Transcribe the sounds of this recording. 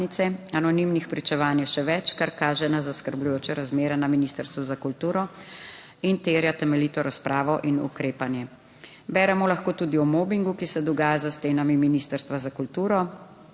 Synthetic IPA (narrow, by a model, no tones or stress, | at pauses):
nit̪sɛanɔnimnixpɾit͡ʃɛʋaːnjɛʃɛʋɛt͡ʃkaɾkaːʒɛnazaskəɾblujoːt͡ʃɛɾazmeːɾɛnaminist̪əɾst̪ʋuzakult̪uːɾɔ | int̪eːɾjat̪ɛmɛlit̪ɔɾaspɾaːʋɔʔinṵkɾeːpanjɛ | bɛːɾɛmɔlaxkoːt̪uːd̪iɔmɔːbiŋɡukisɛd̪ɔɡaːjazast̪eːnamiminist̪əɾst̪ʋazakult̪uːɾɔ